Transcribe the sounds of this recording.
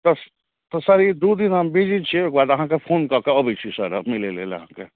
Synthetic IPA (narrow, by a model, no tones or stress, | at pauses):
t̪ɔs | t̪ɔsəɾid̪ud̪inɦəmbid͡ʒit͡ʃʰieːk̚baːd̪əɦãkepʰoːnkəkeəbʱit͡ʃʰisəɾəmilelḛːleɐ̰ɦãke